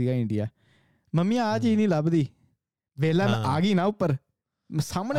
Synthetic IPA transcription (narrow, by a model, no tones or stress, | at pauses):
iːɡaːɪɳɖijaː | məmːĩːaːd͡ʒiːnĩːləbd̪iː | ʋeːlaːmʔaːɡiːnãːʊpːəɾ | saːməne